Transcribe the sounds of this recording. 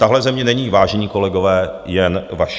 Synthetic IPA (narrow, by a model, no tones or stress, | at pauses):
t̪aɦlɛzɛmɲɛnɛɲiːvaːʒɛɲiːko̞lɛɡo̞vɛːjɛnvaʃ